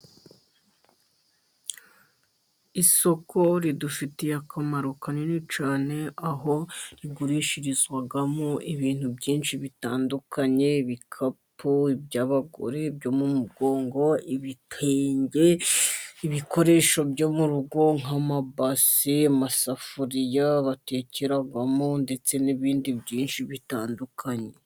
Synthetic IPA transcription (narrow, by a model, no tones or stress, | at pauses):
iso̞ko̞ɾidufitejakamaɾukanenit͡ʃaːne̞ʔaɦo̞ɾiɡuɾiʃiɾizwaɡamoʔiβiːn̥hubɟiːnʃiβitaːndukaɲe̞iβikʰapuibɟaːβaɡo̞̰ɾe̞bɟo̞mumuɡo̞ːŋɡo̞iβitʰeːɲɟe̞ | iβikʰo̞ɾe̞ːʃo̞bɟo̞muɾuɡo̞ŋ̥amabasiamasafuɾijaβate̞ceɾaɡamonde̞t͡se̞niβiːndibɟiːnʃiβitaːndukʰaɲe̞